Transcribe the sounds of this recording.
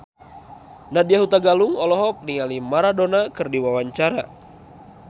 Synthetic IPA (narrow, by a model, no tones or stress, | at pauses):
nadiaɦut̪aɡaluŋɔlɔɦɔk̚niŋalimaɾadonakɨrdiwawaɲt͡ʃaɾa